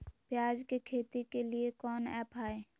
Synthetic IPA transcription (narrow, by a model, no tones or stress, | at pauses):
pjaːd͡ʒkekʰeːt̪ikeliekɔːnɛ̰ːpaːeː